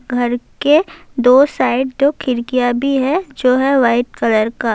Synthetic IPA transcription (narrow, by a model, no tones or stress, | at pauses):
ɡʱɐɾke | d̪oːsaːɪɖd͡ʒokʰɪɾkijabʱiɦɛd͡ʒoːɦɛʋaːɪʈ̚kələɾkaː